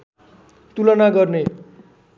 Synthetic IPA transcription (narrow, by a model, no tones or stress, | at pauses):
t̪ulʌnaɡʌrne